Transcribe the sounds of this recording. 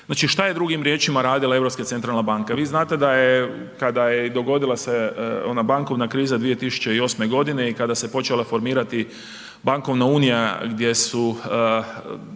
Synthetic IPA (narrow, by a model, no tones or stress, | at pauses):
znaːt͡ʃiʃt̪aje̞d̪ɾuɡimɾje̞ːt͡ʃimaɾaːd̪ilˠae̞ʋɾopskat̪se̞nt̪ɾalnabaŋkaʋiːznaːt̪e̞d̪aje | kad̪ajed̪o̞ɡo̞d̪ilase̞o̞̰nabaŋko̞ʋnakɾiːzad̪ʋije̞t̪isu̥t͡ʃe̞io̞ːsme̞ɡo̞d̪ine̞ikad̪ase̞po̞t͡ʃelˠafo̞ɾmiːɾat̪i | baŋko̞ʋnauːnijaɡd̪je̞su